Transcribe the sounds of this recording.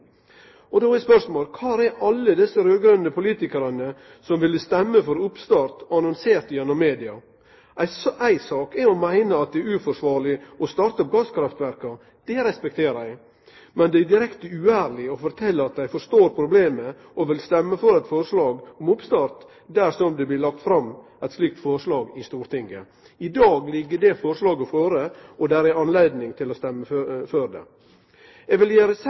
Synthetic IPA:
ɔd̪oːɪspœʂmoːlkʰɑːɾɛɾʔɑlːəd̪ɪsːəɾøːɡɾœnd̪əpʰʊliːt̪ɪkəɾɑnə | sɔmʋɪləst̪ɛmːəfɔɾʊpst̪ɑːɾt̪ɑnɑnseːɾt̪jɛnːɔmːeːd̪ɪɑ | ʔæɪsʔæɪsɑːkɛɔmæɪnəɑt̪̚d̪ɛæɾʉfɔʂʋɑːɾɭɪɔst̪ɑɾt̪ɔp̚ɡɑskʰɾɑft̪ʋæɾkɑ | d̪̥ɛɾɛspɛk̚t̪ʰeːɾæɪ | mɛnd̪ɛæd̪ɪɾɛkt̪əʉæːɾlɪɔfɔɾt̪ʰɛlːəɑt̪̚d̪æɪfɔɾʂt̪oːɾpʰɾʊbleːmə | ɔʋɪlst̪ɛmːəfɔɾɛt̪fɔɾʂlɑːɡɔmʊpst̪ɑːɾt̪ | d̪æɾʂɔmd̪ɛblɪlɑkt̪fɾɑmː | æɪt̪sliːk̚t̪fɔɾʂlɑːɡɪst̪uːɾt̪ɪŋːə | ɪd̪ɑːɡlɪɡːəɖɛfɔɾʂlɑːɡɔføːɾəɔd̪æːɾɛɑnleɪd̪nɪŋt̪ʰɪlɔst̪ɛmːəføɾd̪ɛ̰ | ɛɡʋɪljæːɾəs

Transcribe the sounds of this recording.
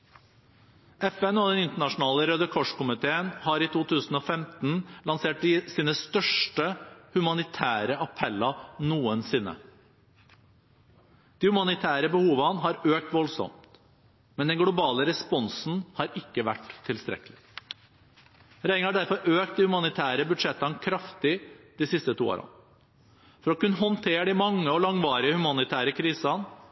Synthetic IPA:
ʔɛfɛnɔd̪ɛnɪnt̪əɳɑʂʊn̩ɑːləɾœd̪əkʰɔʂkʊmɪt̪ʰeːənhɑːɾiːt̪uːt̪ʰʉːsn̩ɔːfɛmt̪n̩lɑnseːʈ̚d̪ɪsiːnəst̪œʂʈəhʉmɑnɪt̪ʰæːɾəʔɑpʰɛlːɑnuːənsɪnːə̰ | d̪̥iːhʉmɑnɪt̪ʰæːɾəbəhuːʋənɦɑːɾøːk̚t̪ʋɔlsɔ̰mt̪t̪ | mɛnd̪ɛnɡlʊbɑːləɾɛspɔnsn̩hɑɾɪkːəʋæʈ̪ʰːɪlst̪ɾɛ̰kːəlɪ | ɾæɪŋɑɖæɾfɔɾøːkt̪̚d̪ihʉmɑnɪt̪ʰæːɾəbʉd̪ʂɛt̪ːɑnkʰɾɑft̪ɪd̪̥ɪsɪst̪ət̪ʰuːo̰ːɾʔɑ̰n | fɔɾɔkʉnːəɦɔnt̪ʰeːɖ̪ɪmɑŋːəɔlɑŋʋɑːɾɪəhʉmɑnɪt̪ʰæːɾəkʰɾiːsɑn

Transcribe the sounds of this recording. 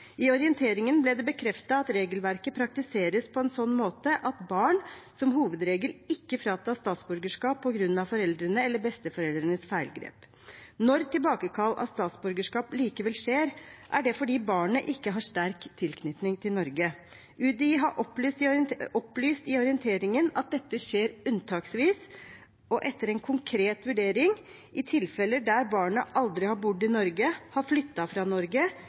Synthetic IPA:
ɪɔɾɪənt̪ʰeːɾɪŋənblɛːd̪ɛbəkʰɾɛft̪ɑɑt̪ɾeːɡəlʋæɾkəpʰɾɑk̚t̪ɪseːɾəspʰɔɛnsɔnːmoːt̪əʔɑt̪bɑːɳsɔmɦuːʋəd̪ɾeːɡəlɪkːəfɾɑːt̪ʰɑːst̪ɑːt̪sbʉɾɡəʂkɑːpʰːɔɡɾʉnːɑʋfɔɾɛld̪ɾənəɛlːəbɛst̪əfɔɾɛld̪ɾənəsfæɪlɡɾḛːp | nɔɾt̪ʰɪlbɑːkəkʰɑlːʔɑ̰st̪ɑːt̪sbʉɾɡəʂkɑːpliːkəʋɛlʂeːɾʔæɖɛfɔɖiːbɑːɳəʔɪkːəɦɑʂt̪æɾkt̪ʰɪlkʰnʏt̪nɪŋt̪ʰɪlnɔɾɡə | ʉːd̪ɪɦɑʔɔplsɔplyːst̪ɪɔɾɪənt̪ʰeːɾɪŋənɑt̪̚d̪ɛt̪ːəʂeːɾʉnt̪ʰɑːksʋiːs | ɔʔɛt̪ːəɾɛnkʰʊŋkʰɾeːt̪ʋʉɖeːɾɪŋ | ɪt̪ʰɪlfɛlːəd̪æɾbɑːɳəʔɑld̪ɾɪhɑɾbʊɖɪnɔɾɡəhɑɾflʏt̪ːɑfɾɑnɔɾɡə

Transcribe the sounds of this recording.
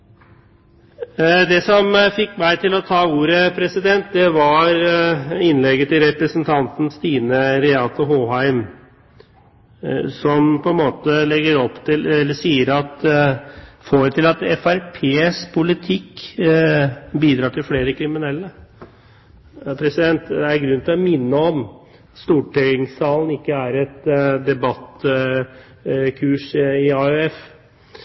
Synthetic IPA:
d̪ɛsɔmfɪkːmæɪt̪ʰɪlɔt̪ʰɑːuːɾəpʰɾɛsɪd̪ɛnt̪̚d̪ɛʋɑɾɪnlɛɡːət̪ɪlɾɛpɾəsənt̪ʰɑnt̪n̩st̪iːnəɾɛɑt̪ɔɦoːɦæɪm | sɔmpɔɛnmoːt̪əlɛɡəɾɔpːt̪ɪlɛlːəsiːəɾɑt̪ | foːɾt̪ɪlɑt̪ɛfæɾpʰeːspʰʊlɪt̪ʰɪkː | biːd̪ɾɑːʈʰɪlfleːɾəkʰɾɪmɪnɛlːə | pʰɾɛsɪd̪ɛnt̪ɛæɾɡɾʉnnt̪ɪlɔmɪnːəɔm | st̪uːʈʰɛʏɪŋsɑːlən̩ɪkːəæɾɛt̪d̪ɛbɑt̪ | kʰʉːʂɪɑʉɛf

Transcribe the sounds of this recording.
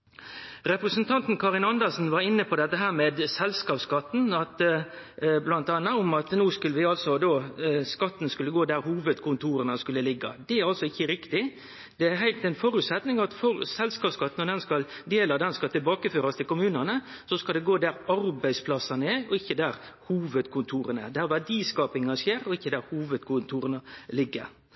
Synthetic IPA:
ɾɛpɾəsənt̪ʰɑnt̪n̩kʰɑɾɪnɑnd̪əsn̩ʋɑɾɪnːəpʰɔd̪ɛt̪ːəɦæːɾmeːd̪sɛlskɑːpskɑt̪ːnɑt̪ | blɑnt̪ɑːnːɑʊmɑt̪nuːskʉlːəʋɪɑlsɔd̪oːskɑt̪ːnskʉlːəɡoːd̪æɾhuːʋəd̪kʰʊnt̪ʰuːɾənəskʉlːəlɪɡːɑ̰d̪ɛæɾɑlsɔɪçːəɾɪkt̪ɪ | d̪̥ɛæɾɦæɪlt̪ɛɪnfɔɾʉːt̪sɛt̪nɪŋɑt̪fɔɾsɛlskɑːpskɑt̪ːn̩ɔd̪ɛnskɑld̪eːlɑd̪ɛnskɑlt̪ɪlbɑːkəføːɾɑst̪ʰɪlkʊmʉːnənə | sɔskɑld̪ɛɡoːd̪æɾɑɾbæɪspʰlɑsːɑnəɛɔɪçːəd̪æːɾhuːʋəd̪kʰʊnt̪ʰuːɾənə̰d̪æːɾʋæɖiːskɑːpɪŋɑseːɾɔɪçːəd̪æɾhuːʋəd̪kʰʊnt̪ʰuːɾənəlɪɡːə̰ɾ

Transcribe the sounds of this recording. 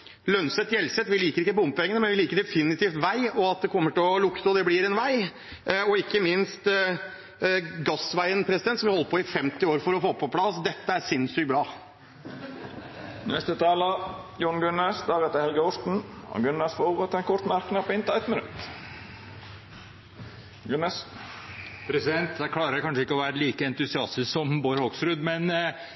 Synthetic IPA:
lœnsət̪jɛlsɛt̪ʋɪliːkəɾɪkːəbʊmpɛŋənəmɛnʋɪliːkəɖ̪ɛfɪnɪt̪iːft̪ʋæɪɔɑt̪̚d̪ɛkʰɔmːəʈɪlɔlʊkt̪əɔd̪ɛblɪɾɛnʋæɪ | ɔɪkːəmɪnst̪ | ɡɑsʋæɪənpʰɾɛsɪd̪ɛnt̪sɔmʋɪhɔlːəpʰɔɪfɛmt̪ɪoːɾfɔɾɔfoːpʰɔpʰlɑsd̪ɛt̪ːəæɾsɪnsʏk̚bɾɑː | nɛst̪ət̪ʰɑːlə | jʊɳɡʉnəsd̪ɑːɡɛt̪əhɛlɡəʊst̪n̩ɔ̰ɡʉnːəsfoːbʁət̪ɛnkʰɔɾt̪mæɾknɑpɔɪnt̪əɛt̪mɪnʉ̰t̪ | ɡʉnɛs | pʰɾɛsɪd̪ɛnt̪d̪æɪkʰlɑːɾəɾkʰɑnʂəɪkːəɔʋæːɾəliːkəɛnt̪ʉsɪɑst̪ɪssɔmboːɾhoɡsɾʉd̪mɛn

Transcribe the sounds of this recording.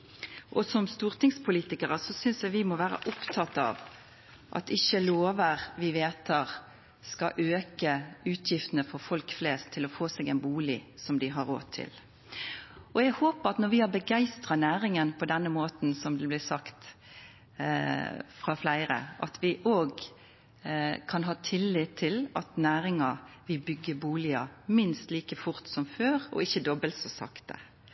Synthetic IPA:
ʔɔsɔmst̪uːʁt̪ʰɪŋspʰʊliːt̪ɪkəʁəsɔsʏnsjæɪʋɪmɔʋæːɾə̰ʔʊpt̪ʰɑt̪ːɑ̰ːʋ | ʔɑ̰t̪ɪçːəloːʋəʁʋɪʋeːt̪ʰːɑʁ | skɑʔøːkəʉːt̪ʰjɪft̪ənəfɔʁfɔlkflɛːst̪ʰːɪlɔfoːsɛɡæɪnbuːlɪsɔmd̪ɪɦɑɾo̰ːtt̪ʰːɪ̰l | ɔjæɪhoːpəɑt̪nɔɾʋɪhɑbəɡæɪst̪ʁɑnæːɾɪŋənpʰɔd̪ɛnːəmoːt̪n̩sɔmd̪ɛblæsɑkt̪ | fʁɑflæɪɾə̰ʔɑ̰t̪ʰʋɪʔoːɡ | kʰɑnɦɑːt̪ʰɪlːɪt̪ʰːɪlɑt̪næːɾɪŋɑʋɪbʏɡːəbuːlɪɑmɪnst̪liːkəfʊɾt̪sɔmføːʁɔ̰ɪçːəd̪ɔbəlt̪sɔsɑ̰kt̪ə̰

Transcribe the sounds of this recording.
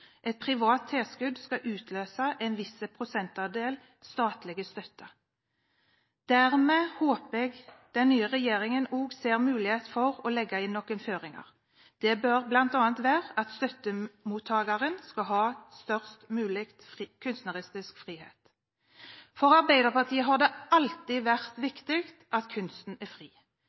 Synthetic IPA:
ʔɛt̪̚pʰʁɪʋɑːt̪ʰːeːskʉd̪skɑʔʉːt̪ʰløːsɑʔɛnʋɪsəpʰʁʊsɛnt̪ɑd̪eːl | st̪ɑːt̪lɪɡəst̪œt̪ːə | d̪̥æʁmeːhoːpəɛɡd̪̥ɛnnyːəʁɛjeːʁɪŋənoːɡseːʁmʉːlɪheːt̪fɔʁɔlɛɡːɑɪnːɔkːənføːʁɪŋɑ̰ʁ | d̪̥ɛbœʁblɑnt̪ɑːnt̪ʋæːʁəʔɑt̪st̪œt̪ːəmuːt̪ʰːɑːɡɑʁənskɑlɦɑːst̪œʁst̪mʉːlɪkt̪ːkʰʉnst̪nəʁɪst̪ɪskfʁiːhḛːt̪ | fɔʁɑʁbæɪd̪əʁpɑt̪ʰiːəɦɑʁd̪ɛɑlt̪ɪʋæʁt̪ʋɪkt̪ɪkt̪ʔɑt̪kʰʉnst̪n̩æfʁiː

